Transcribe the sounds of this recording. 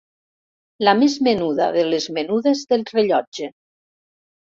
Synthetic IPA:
lamezmenuða̰ðelezmenuðezðelˠreʎɔd͡ʒe

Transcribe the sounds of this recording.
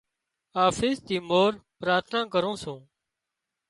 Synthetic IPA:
aːfɪːst̪iːmoːɾpɾaːt̪ʰnãːkəɾũːsũː

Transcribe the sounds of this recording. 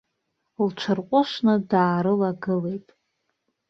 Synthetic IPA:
lt͡ʃʷʰɨrqʷʼʊʃnɨdaːɾɨlaɡɨle̞jtʼ

